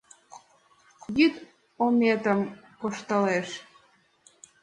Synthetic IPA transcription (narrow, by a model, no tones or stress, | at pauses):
jyt̪ | omet̪əmkoʃt̪əleʃ